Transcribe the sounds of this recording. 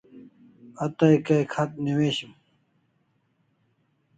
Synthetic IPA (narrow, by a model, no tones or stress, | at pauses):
ɐt̪ɐjkɐjkʰɐt̪̚niweːɕim